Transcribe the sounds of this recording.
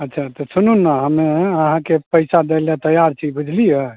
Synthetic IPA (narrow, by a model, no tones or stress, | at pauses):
ətːt͡ʃʰat̪ɔsununːaɦəmeəɦãkepəɪsad̪elet̪əjaɾt͡ʃʰibud͡ʒʱlijə